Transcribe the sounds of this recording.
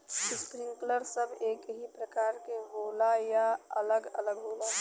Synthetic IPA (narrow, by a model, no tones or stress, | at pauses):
ɪskɾĩŋkləɾsəbʱeːkɦipɾəkaːɾkeɦoːlajaələɡələɡɦoːla